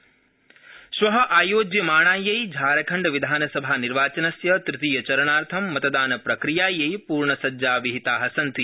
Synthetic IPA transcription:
sʋɐɦɐ̆ʔaːjoːd͡ʒjɐmaːɳaːjɐjd͡ʒʱaːɾɐkʰɐɳɖʋid̪ʱaːnɐsɐbʱaːniɾʋaːt͡ʃɐnɐsjɐt̪ɾit̪iːjɐt͡ʃɐɾɐɳaːɾt̪ʰɐmːɐt̪ɐd̪aːnɐpɾɐkɾijaːjɐjpuːɾɳɐsɐd͡ʒaːʋiɦit̪aːɦɐsɐnt̪i

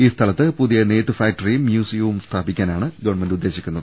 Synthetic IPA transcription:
iːst̪ʰɐlɐt̪ːɨpuðijɐneːt̪ːɨfaːk̚tɐrijumːjuːsijɐʋumst̪ʰaːbikʲːaːnaːɳɨɡɐʋɐɳmendud̪ːe̞ːɕikʲːunːɐðɨ

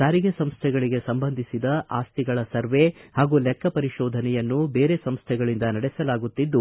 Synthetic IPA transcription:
d̪aːɾiɡesɐmst̪ʰɛɡɐɭiɡe̞sɐmbɐnd̪ʱisid̪ɐʔaːst̪iɡɐɭɐsɐɾʋe̞haːɡuːlɛkʰːɐpɐɾiʃɔːd̪ʱɐnɛjɐnːube̞ːɾe̞sɐmst̪ʰɛɡɐɭind̪ɐnɐɽɛsɐlaːɡut̪ːid̪ːu

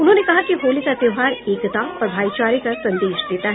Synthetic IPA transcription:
ʊnɦõːnekɐɦakiɦoːlikat̪ɪɦaːɾeːkt̪ãpɾbʱaːit͡ʃaːɾikɐsɐ̃nd̪eːʃd̪eːt̪aɦɛ

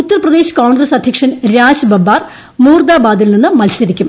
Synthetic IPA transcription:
ut̪ːɐrɐprɐd̪e̞ːɕɨ̥kaːɳɡrɐsɐd̪ʱjɐkʂɐnɾaːɕbɐbːaːr | muːrd̪aːbaːd̪ilninːɨmɐlsɐɾikʲːum

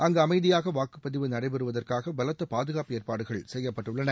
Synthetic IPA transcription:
ʔɐŋɡɐɐmɐɪðɪjaːɣɐʋaːkɯ̥pːɐðɪʋɯnɐɽɐɪbɛɾɯʋɐðɐrkaːɣɐbɐlɐt̪ːɐpaːðɯɣaːpeːɾpaːɽɯɣɐɭsɛjːɐpːɐʈːɯɭːɐnɐ

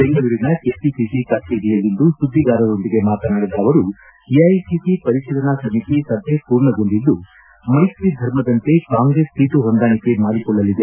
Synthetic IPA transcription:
beŋɡɐʋiɾinɐkesisisikɐʈʰiɾijɐlind̪usud̪ʱːiɡaːɾɐd̪o̞nd̪iɡe̞maːt̪ɐnaːɽid̪aːʋɐɾu | iɐjsisipɐɾiʃɐlɐnasɐmit̪isɐd̪ʱepuːɾɳɐɡo̞nd̪ild̪ːu | mɐjsɾid̪ʱɐɾmɐd̪ɐnt̪e̞kaːŋɡɾe̞sːiːt̪uɦond̪aːnike̞maːɽikɔɭːɐlːid̪e̞

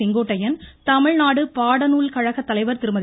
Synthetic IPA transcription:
ɪŋɡoːʈːɐjɐnt̪ɐmɪɻnaːɽɯpaːɽɐnuːlkɐɻɐɣɐt̪ːɐlɐɪʋɐɾt̪ɪɾɯmɐð

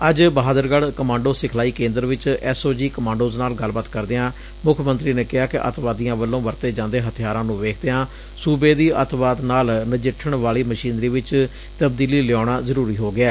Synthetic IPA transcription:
əd͡ʒbəɦaːd̪əɾɡəɽkəmãːɳɖoːsɪkʰlaːiːkẽːnd̪əɾʋɪt͡ʃɛːsoːd͡ʒiːkəmãːɳɖoːznaːlɡəlːbaːt̪kəɾd̪eãː | mʊkʰmənt̪ɾiːneːkɪɦaːkɪʔə̰t̪ʋaːd̪ijãːʋəlːõːʋəɾt̪eːd͡ʒãːnd̪eːɦət̪ʰɪjaːɾãːnũːʋeːkʰd̪eːãː | suːbeːd̪iːʔət̪ʋaːt̪naːlnəd͡ʒɪʈʰːəɳʋaːliːməʃiːnɾiːʋɪt͡ʃ | t̪əbd̪iːliːlɪɔːɽaːzəɾuːɾiːɦoːɡɪɛː

